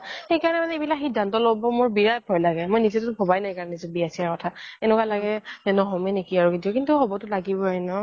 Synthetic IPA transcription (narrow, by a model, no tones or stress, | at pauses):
xejkaɹɔnɛmanɛebilakxidʱantɔlobɔmoɹbiɹajp̚ʰɔjlaɡɛmojnizitʊʊbʰʱɔbajnaekaɹɔnɛnizɔbiasiaɹkɔtʰaɛnɛkwalaɡɛnɛnɔɦɔmɛnekiaɹukidiɔkintʊɦɔbɔtʊlaɡibɔainɔ